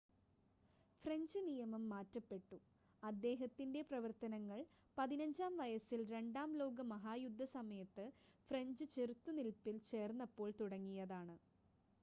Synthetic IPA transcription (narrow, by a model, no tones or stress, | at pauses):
freɲd͡ʑɨnijɐmɐmːaːtːɐpːe̞ʈːu | ɐd̪ːe̞ːɦɐt̪ːinde̞prɐʋɐrt̪ɐnɐŋːɐɭ | pɐðinɐɲd͡ʑaːmʋɐjɐsilɾe̞ɳɖaːmlo̞ːɡɐmɐɦaːjud̪ʱːɐsɐmɐjɐt̪ːɨfre̞ɲd͡ʑɨt͡ɕerut̪ːunilpːilt͡ɕe̞ːrnːɐpːo̞ːɭt̪uɽɐŋːijɐðaːɳɨ